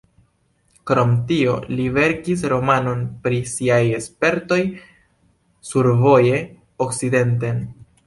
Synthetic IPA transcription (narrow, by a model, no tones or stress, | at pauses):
kɾo̞mtio̞̰live̞ɾkis̬ɾo̞mano̞npɾisiaje̞spe̞ɾto̞j | suɾvo̞je̞ | okt͡side̞nten